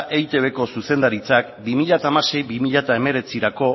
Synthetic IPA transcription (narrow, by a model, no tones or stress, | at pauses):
ʔejt̪e̞βe̞ko̞suse̞nd̪aɾit͡sakbimiʎat̪aːmase̞jβimiʎat̪ae̞me̞ɾe̞t͡siɾako̞